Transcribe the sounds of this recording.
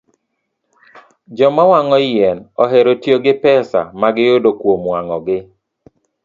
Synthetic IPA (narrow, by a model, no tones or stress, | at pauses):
d͡ʒɔmawaŋɔjɛnɔɦeɾotjoɡɪpɛsa̰maɡɪjodokwomwaŋɔɡɪ